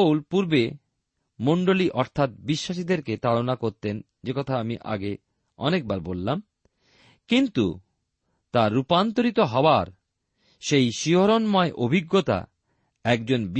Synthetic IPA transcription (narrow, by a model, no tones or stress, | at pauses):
wlpuɾbe | moɳɖoliʔɔɾt̪ʰat̪̚biʃːaʃid̪eɾket̪alonakoɾt̪en | d͡ʑekɔt̪ʰaamiʔa̰ɡe | ɔ̰nek̚baɾbolːam | kint̪u | t̪aɾːupant̪oɾit̪oɦɔoaɾ | ʃejʃiɦoɾonmɔeʔobʱiɡːot̪a̰ | ɛkd͡ʑonb